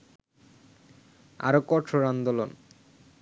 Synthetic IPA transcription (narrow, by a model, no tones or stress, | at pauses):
a̰ɾokɔʈʰːoɾand̪olon